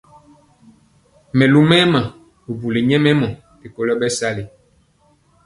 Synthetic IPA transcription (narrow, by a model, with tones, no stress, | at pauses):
mɛ˨lu˦mɛ˦mã˨ | o˨bu˨le˨ɲɛ˦mɛ˦mɔ̃˨ | te˨ko˦lɔ˦bɛ˦sa˦le˨